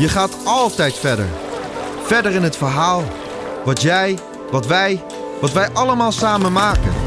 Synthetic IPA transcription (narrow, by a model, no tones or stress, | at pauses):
jəχaːtɑlˠtɛjtfɛɹdə̰ɹ | fɛɹdəɹɪnɦətfəɹɦaːlˠ | ʋɑtjɛj | ʋɑtʋɛj | ʋɑtʋɛjʔɑləmaːlˠsaːmənmaːkə̰n